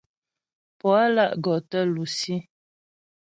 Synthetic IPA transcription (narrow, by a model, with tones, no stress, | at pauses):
pɔ˨a˦la˦˨ʔɡɔ˨tə˦lu˨si˦